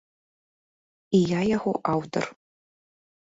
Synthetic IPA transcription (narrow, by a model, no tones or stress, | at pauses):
ijajaxʷo̰ʔawtʰo̰r